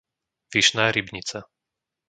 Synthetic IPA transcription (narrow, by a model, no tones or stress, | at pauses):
ʋiʃnaːɾibɲit͡sa